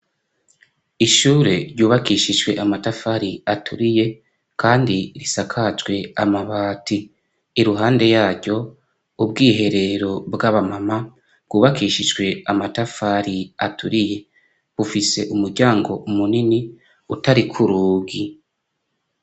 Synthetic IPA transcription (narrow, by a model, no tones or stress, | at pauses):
iʃuːɾe̞̰ɾɟuːβakiːʃiʒɡwe̞ʔamatafaɾiatʰuɾije̞ | kʰaːndiɾisakʰat͡ʃɡwe̞a̰maβaːtiː | ɾuɦaːnde̞jaːɾɟo̞ | ub̚ɡiːɦe̞ɾe̞ɾo̞bɡaβamama | bɡ̥uːβakiːʃid͡ʒɡwe̞amatafaɾiatʰuɾije̞ | βufise̞ʔumuɾɟaːŋɡo̞ʔumunini | utaɾikʰuɾuːbɡi